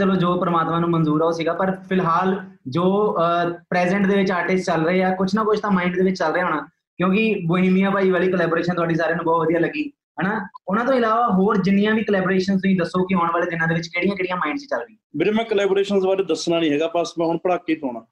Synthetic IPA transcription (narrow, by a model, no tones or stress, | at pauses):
əloːd͡ʒoːpəɾəmaːt̪mãːnũːmənzuːɾaːoːsiːɡaːpəɾpʰɪlɦaːld͡ʒoː | pɾɛːzɛ̃ɳʈd̪eːʋɪt͡ʃaːʈɪst͡ʃəlɾəeːɛːkʊt͡ʃʰnapʊt͡ʃʰt̪ãːmaːɪɳɖd̪eːʋɪt͡ʃt͡ʃəlɾəeːɦoːɳaː | kjõːkɪboːĩːmijãːpaːiːʋaːliːkəlɛːboːɾeːʃənt̪ʊaːɖiːsaːɾeãːnũːbɔːt̪ʋəd̪ijaːləɡiː | ɦɛːnaːʊnãːt̪õːɪlaːʋaːɦoːɾd͡ʒɪnːɪjãːʋiːkəlɛːboɾeːʃənst̪ʊsĩːd̪əsːoːkɪɦaːɳʋaːleːd̪ɪnãːd̪eːʋɪt͡ʃkeːɽijãːkeːɽijãːmaːɪɳɖsit͡ʃəlɾəiːãːbɪmɛ̃ːkəlɛːbɾeːʃənsbaːɾeːd̪əsnaːnĩːɦɛːɡaːpəsmɛ̃ːɦʊɳpəɽaːkːiːt̪oːnãː